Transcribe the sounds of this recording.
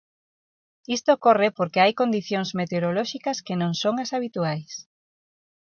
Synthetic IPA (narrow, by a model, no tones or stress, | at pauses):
ist̪okorɪpoɾkeajkond̪iθjoŋzmet̪eoɾolɔʃikɐskenõŋsoŋɐsaβit̪uajs